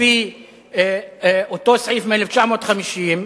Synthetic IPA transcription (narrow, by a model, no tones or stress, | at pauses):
i | ʔot̪osʕiːfmelɛft̪t͡ʃaʕmot̪xamiʃiːm